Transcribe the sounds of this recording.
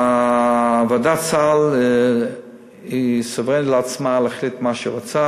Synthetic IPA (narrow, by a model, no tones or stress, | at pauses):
a | vadat͡sal | isɔvʁɛntlat͡smalaχlitmaʃiʁot͡sa